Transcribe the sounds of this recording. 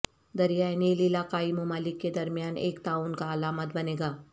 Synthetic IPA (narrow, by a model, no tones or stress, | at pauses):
d̪ɐɾijaːeneɪliɪlaːkaːimʊmaːlɪkːed̪ɐɾmijaːnḛːkt̪aːuːnkaɐlaːmət̪̚bɐneːɡaː